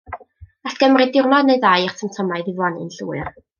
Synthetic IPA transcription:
aɬɡ̥əmrɨdɪrnɔdneɨðajrtʰəmtʰɔmaɨðɪvwɔnɪ̰nɬṵːɨr

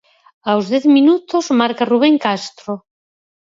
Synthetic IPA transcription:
awzðɛθminut̪ozmaɾkaruβ̞eŋkast̪ɾo

